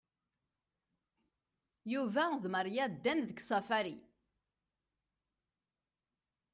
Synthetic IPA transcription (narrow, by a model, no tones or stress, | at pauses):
juvæðməɾjæd̪ːænðəɡsˤæfæɾi